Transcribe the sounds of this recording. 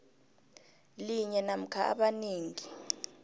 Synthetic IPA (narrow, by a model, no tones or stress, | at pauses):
liɲɛnam̩kʰaʔa̰ɓaniːŋi